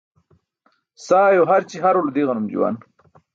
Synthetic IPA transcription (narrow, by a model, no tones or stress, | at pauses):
saːjoɦaɾt͡ɕiɦaɾolud̪iɣɐnumd͡ʒṵwa̰n